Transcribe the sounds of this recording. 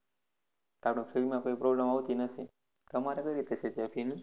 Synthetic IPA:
t̪apnõpʰeɾimãkoipɾoblemaʋt̪inət̪ʰi | t̪əmaɾekəjɾit̪et͡ʃʰet̪apʰin

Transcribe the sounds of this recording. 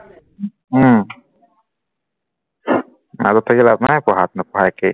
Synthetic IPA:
a̰zɔt̪ʰːakilapnakɔɦat̪̚nəkɔɦake

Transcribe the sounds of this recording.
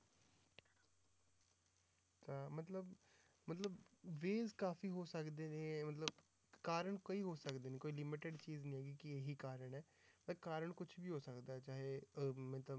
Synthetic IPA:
t͡ʃaːmət̪ləb | mət̪ləbʋeːzkaːfiːɦoːsəkd̪eːnẽːmət̪ləb | kaːɾəɳkoiːɦoːsəkd̪eːneːkoːiːlɪmɪʈɪɖt͡ʃiːznĩːɛːɡiːkɪeːɦiːkaːɾəɳɛː | mət̪əbkaːɾəɳkʊt͡ʃʰbiːɦoːsəkd̪aːɛːt͡ʃaːɦeːmɛ̃ːt̪ə

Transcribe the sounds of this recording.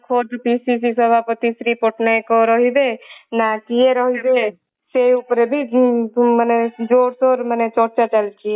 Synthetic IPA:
kʰoːd̪pisisisəbʱaːpət̪isɾipʊʈʰnakoɾɔɦib̪enakieɾɔɦib̪e | seʊpɾebʱi | məned͡ʒoːɾsoɾmənet͡ʃɔːɾt͡ʃat͡ʃəlt͡ʃi

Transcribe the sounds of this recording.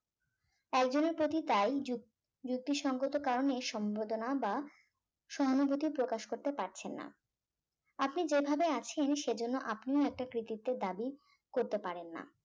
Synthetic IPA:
ɛkd͡ʑoneɾpɾot̪it̪aj | d͡ʑuk̚t̪iʃɔŋɡot̪okaɾoneʃɔmbod̪onaba | ʃɔɦanobot̪ipɾokaʃkoɾt̪epaɾt͡ɕʰenːa̰ | apnid͡ʑebʱabeat͡ɕʰenʃed͡ʑonːoʔapnioɛk̚ʈakɾit̪it̪ːed̪abi | koɾt̪epaɾenːa̰

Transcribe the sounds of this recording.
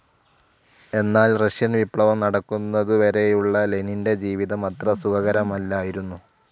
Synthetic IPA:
e̞nːaːlrɐʂjɐnʋipɭɐʋɐmnɐɽɐkːunːɐðuʋɐɾe̞juɭːɐleninde̞d͡ʑiːʋiðɐmɐt̪rɐsukɐɣɐɾɐmɐlːaːjiɾunːu

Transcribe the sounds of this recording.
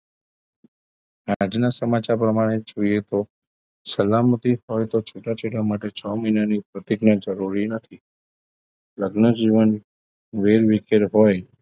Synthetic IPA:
ad͡ʒnasəmat͡ʃaɾpɾəmaɽ̃ed͡ʒoiet̪o | səlamət̪iɦojt̪ot͡ʃʰoʈat͡ʃeɽamaʈet͡ʃʰɔməjnanipɾət̪iɡnad͡ʒəɾuɾinət̪ʰi | ləɡnəd͡ʒiʋən | ʋeɾʋikeɾɦoj

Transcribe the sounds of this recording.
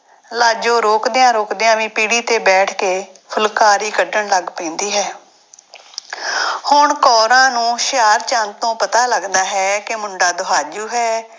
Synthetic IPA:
laːd͡ʒõːɾoːkd̪eːãːɾoːkd̪eːãːʋĩːpiːɽiːt̪eːbɛːʈʰkeːpʰʊlkaːɾiːkəɖəɳləɡpɛ̃ːnd̪iːɦɛː | hʊɳkɔːɾãːnũːʃɪjaːɾt͡ʃãnt̪õːpət̪aːləɡd̪aːɦɛːkemʊɳɖaːd̪ʊɦaːd͡ʒuːɦɛː

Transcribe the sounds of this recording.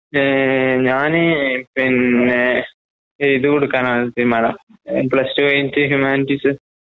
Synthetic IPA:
ɲaːnɨpinːe | iðɨkoɽukːaːnaːt̪iɾumaːɳɐm | pɭɐstɨʋɐjintːɨɦjumaːniʈːisɨ

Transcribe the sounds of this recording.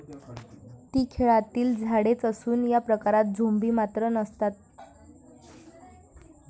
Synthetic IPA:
t̪iːkʰeɭat̪iːld͡zʱaɽet͡səsuːnjapɾəkaɾat̪̚d͡zʱombiːmat̪ɾənəst̪at̪̚

